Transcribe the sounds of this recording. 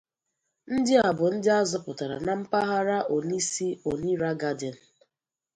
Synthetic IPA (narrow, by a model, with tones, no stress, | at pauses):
n̩˦dɪ˦a˨bʊ˨n̩˦dɪ˦a˦zɔ˦pʊ˨ta˨ɾa̰˨na˨m̩˦pa˦ɦa˦ɾa˦ʔo˨ni˦si˦o˨ni˦ɾa˦ɡa˦dɪ˨n̩˨